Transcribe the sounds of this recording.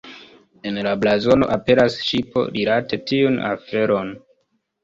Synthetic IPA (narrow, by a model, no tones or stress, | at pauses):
e̞nlablazo̞no̞̰ʔape̞ɾasʃipo̞̰ɾilate̞tiuna̰fe̞ɾo̞n